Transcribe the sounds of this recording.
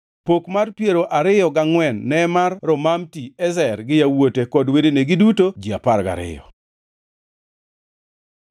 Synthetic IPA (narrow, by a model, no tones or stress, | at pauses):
pokmarpjeɾoʔaɾɪjɔɡaŋwɛnːɛmarːɔmamtiɛzɛrɡɪjawotekɔdweɾeneɡɪdutod͡ʒia̰parɡa̰ɾɪ̰jɔ̰